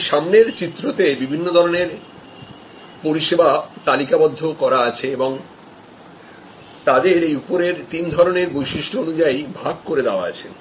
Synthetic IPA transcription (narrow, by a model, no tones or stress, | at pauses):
ʃamneɾt͡ɕit̪ːɾot̪ebibʱinːod̪ʱɔɾoneɾ | poɾiʃebat̪alikabɔd̪ʱːokɔɾaat͡ɕʰeeboŋ | t̪ad̪eɾejupoɾeɾt̪ind̪ʱɔɾoneɾbojʃiʃʈoonud͡ʑaibʱaɡkoɾed̪eoa̰a̰t͡ɕʰḛ